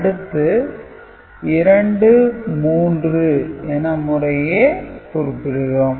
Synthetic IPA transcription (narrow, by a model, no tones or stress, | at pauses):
ɐɽɯt̪ːɯ | ɪɾɐɳɖɯmuːndrɯɛːnːɐmʊrɐjeːpʊɾɯpːɪɽɯɾʊ̃ː